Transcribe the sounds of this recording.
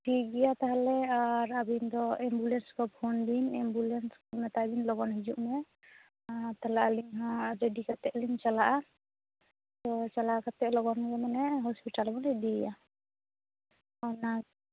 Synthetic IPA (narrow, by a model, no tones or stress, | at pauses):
ʈʰiɡɛjat̪aɦalɛaɾabind̪ɔɛmbulɛnskɔpʰɔnbinɛmbulɛnskɔmɛt̪abinlɔɡɔnɦid͡ʒuʔmɛ | t̪alaʔaliŋɦãɾɛɖikat̪ɛʔliŋt͡ʃalaʔa | t̪ɔt͡ʃalakat̪ɛʔlɔɡɔnɡɛmanɛɦɔspiʈalbɔnɛd̪iɡja | ɔna